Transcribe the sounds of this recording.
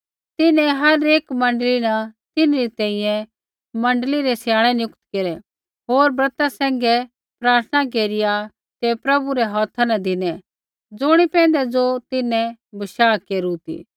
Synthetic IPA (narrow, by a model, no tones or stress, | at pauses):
t̪ɪnɛ̃ɦɐɾeːkmɐ̃ɳɖlinɐt̪ɪnɾit̪ɛ̃ːĩjɛ̃ | mɐ̃ɳɖliɾɛsjaːɭ̃ɛnjʊkt̪keɾɛ | ɦoːɾbɾɐt̪asɛ̃ːŋ̆ɡɛ | pɾaːɾt̪ʰnak̬eːɾɪja | t̪epɾɐbuɾɛɦɔːt̪ʰanɐ̃d̪ɪnɛ | d͡zʊɽ̃ipɛ̃ːnd̪ɛd͡zot̪ɪnɛ̃bɐʃaːkeːɾut̪ḭː